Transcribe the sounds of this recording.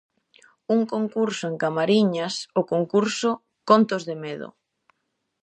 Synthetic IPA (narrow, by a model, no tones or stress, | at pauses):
uŋkoŋkuɾsʊeŋkamaɾiɲasʊkoŋkuɾso | kont̪ozðemeðʊ̰